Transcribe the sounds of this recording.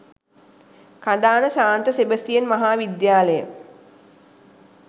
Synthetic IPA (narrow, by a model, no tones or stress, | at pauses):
kad̪aːnəsaːnt̪əsebəsijenmaɦaːʋid̪jaːləjə̰